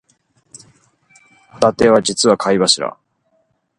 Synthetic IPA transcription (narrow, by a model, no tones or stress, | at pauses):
t̪at̪eβad͡ʑit͡sɨβakʰaiβaɕiɾa̰